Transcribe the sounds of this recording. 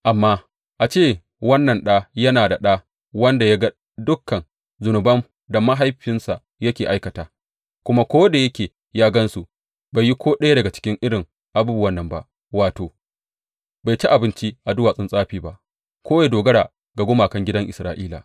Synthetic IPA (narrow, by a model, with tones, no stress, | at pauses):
ʔa˨mːaː˦ | ʔa˨t͡ʃeː˦˨ | wɐ˦nːɐ˨nɗaː˦jɐ˦naː˨da˨ɗa˦ | wɐ˦nda˨ja˦ɡa˦ | dʊ˦kːɐ˨n | zʊ˨nʊ˨bɐ˦m | da˨ma˦ɦa˦jɸɪ˦nsa˨ | jɐ˦kʲeː˨ʔa˦jkɐ˨taː˨ | kʷʊ˦ma˦kʷoː˦da˨jɐ˦kʲeː˨ | jaː˦ɡɐ˦nsu˨ | ba˨ji˦kʰʷoː˦ɗɐ˦ja˦dɐ˨ɡa˨t͡ʃɪ̥˦kʲɪ˦ŋʔɪ˦ɽɪ˨ŋ | ʔa˨buː˦bu˦wɐ˦nːɐ˨mba̰˦ʔ | waː˨toː˨ | ba˨jt͡ʃi˦ʔa˨bɪ˦nt͡ʃi˦ʔa˨dʊ˦waː˨sʼɪ˦nsʼaː˦ɸiː˨ba˦ʔ | kʷoː˦wa˨jdoː˨ɡɐ˦ɽaː˨ | ɡa˨ɡʷʊ˦maː˨kɐ˦ŋɡʲɪ˦dɐ˦ŋʔɪ˨sɾaː˦ʔiː˦la̰ː˨